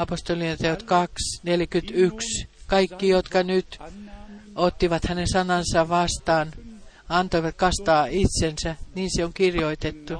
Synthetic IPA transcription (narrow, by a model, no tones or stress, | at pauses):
ɑpost̪olit̪eot̪kɑksneljækyt̪ykskɑikːijot̪kɑnyt̪ | ot̪ːiʋɑt̪hænesɑnɑnsɑʋɑst̪ɑːn | ɑnt̪oiʋɑt̪kɑst̪ɑːit̪sensæniːnseoŋkirjoit̪et̪ːu